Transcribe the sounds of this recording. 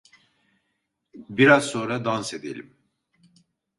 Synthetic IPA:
biɾazso̞nɾad̪anse̞d̪ḛlʲḭm

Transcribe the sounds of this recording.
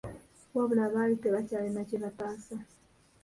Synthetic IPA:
waβulaβaiteβat͡ʃalimat͡ʃilapasa

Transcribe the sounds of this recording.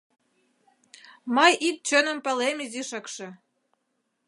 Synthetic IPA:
mɤjik̚t͡ɕə̆nə̆mpə̆lemiziʃɤkʃɤ̆

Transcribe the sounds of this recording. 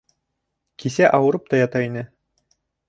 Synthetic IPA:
kisæʔɑwɤ̆ɾɤp̚t̪ɑjɑt̪ɑinɘ

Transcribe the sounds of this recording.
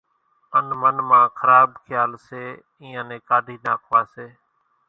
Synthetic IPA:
ənmənmãːkʰəɾaːbkʰɪjaːlseː | ĩːãːnẽːkaːɖʱiːnaːkʰʋaːseː

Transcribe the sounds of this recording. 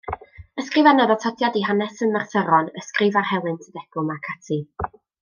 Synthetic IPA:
əskrɨvanɔðɔtʰɔdjadiɦanɛsənmarθəɾɔnəskrɪvarhɛlˠɨntʰədɛɡ̥ʊlˠmakʰatʰi

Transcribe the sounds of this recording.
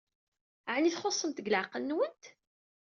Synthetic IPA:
ʕniθχosˤːəmt̪əɡləʕqəlnwənt̪

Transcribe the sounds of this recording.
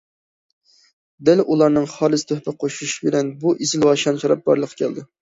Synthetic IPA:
d̪ɛlʔulˠɑɾnɨŋχɑlˠɨst̪ʰøhpɪqʰoʃuʃbɪlɛnbuʔizɪlwɑʃɑnʃɑɾɑp̚bɑ̰ɾlˠəqʰːɑ̥kʲʰɛld̪ɪ

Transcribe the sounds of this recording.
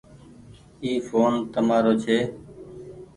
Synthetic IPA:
iːfoːnt̪əmaːɾoːt͡ʃʰeː

